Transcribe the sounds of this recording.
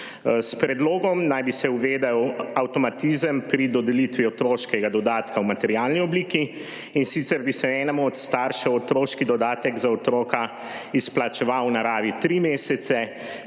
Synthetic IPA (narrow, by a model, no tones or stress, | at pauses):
spɾɛd̪loːɡɔmnajbisɛuʋed̪awawt̪ɔmat̪izəmpɾid̪ɔd̪ɛlit̪ʋiɔt̪ɾoːʃkɛɡad̪ɔd̪aːt̪kawmat̪ɛɾjalniɔbliːki | insit̪sɛɾbisɛɛnɛmuɔt̪st̪aɾʃɛwɔt̪ɾoːʃkid̪ɔd̪aːt̪ɛɡzaɔt̪ɾoːka | isplat͡ʃɛʋawnaɾaːʋit̪ɾimesɛt̪sɛ